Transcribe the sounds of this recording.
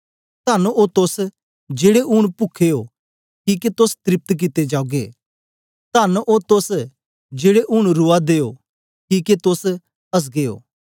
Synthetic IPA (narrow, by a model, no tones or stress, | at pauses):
t̪ɐnot̪ʊs | d͡ʒeːɽeʔʊɽ̃pʊkʰejo | kiːket̪ʊst̪ɾɪp̚t̪k̬ɪt̪ːed͡ʒaːuɡḛː | t̪ɐnʔot̪ʊs | d͡ʒeːɽeʔʊɽ̃ɾʊad̪eːo | kiːket̪ʊs | ɐs̬ɡeːo̰ː